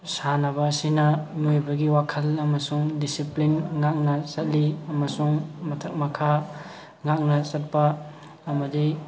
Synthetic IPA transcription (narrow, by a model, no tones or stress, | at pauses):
sanɐbɐːsinɐnojbɐɡiwakʰɐlɐmɐsuŋdisiplinŋak̚nɐsɐt̚liɐmɐsuŋmɐtʰɐk̚mɐkʰa | ŋak̚nɐsɐt̚pɐː | mɐdi